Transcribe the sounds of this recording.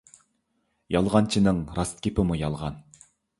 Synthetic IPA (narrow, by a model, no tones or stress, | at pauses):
jɑlˠʁɑnt͡ʃʰinɪŋɾɑst̪kʲepɪmujɑlˠʁɑn